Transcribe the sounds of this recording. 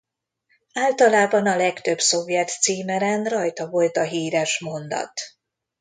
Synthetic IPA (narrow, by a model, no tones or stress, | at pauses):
aːlt̪ɒlaːbɒnɒlɛkt̪ø̞bso̞vjɛt̪siːmɛɾɛnrɒjt̪ɒvo̞lt̪ɒɦiːɾɛʃmo̞nd̪ɒ̰t̪